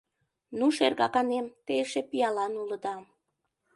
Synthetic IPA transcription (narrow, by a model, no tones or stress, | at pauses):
nuʃerɣɑkɑnemt̪eʃepiɑlɑnuləd̪ɑ